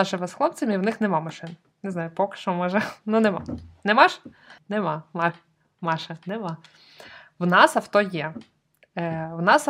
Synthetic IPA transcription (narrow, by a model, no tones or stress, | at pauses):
ɑʒɛmɛsxlˠɔp̚t͡sʲɐmʲiwnɪxnɛmɑmɐʃɪn | nɛznɑjʊpɔkɪ̥ʃɔmɔʒɛnunemɑ̰nɛmɑʃ | nemɑmɑ | mɑʃɐnemɑ | wnɑsɐwt̪ɔjɛ | wnɑs